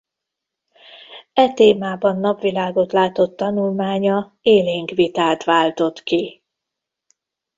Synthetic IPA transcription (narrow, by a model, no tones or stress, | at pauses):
ɛt̪eːmaːbɒnːɒpʋilaːɡo̞t̪laːt̪o̞t̪ːɒnulmaːɲɒ | eːleːŋkʋit̪aːt̪ʋaːlt̪o̞t̪ki